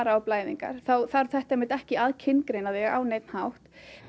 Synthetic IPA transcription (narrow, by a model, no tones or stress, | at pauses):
ɾawplaːjðḭŋka̰ɾ̥θawθaɾθɛht̪aɛhmɪt̪ɛhcɪaːðcʰɪnkɾejnaðɛa̰wnejt̪n̥hawht̪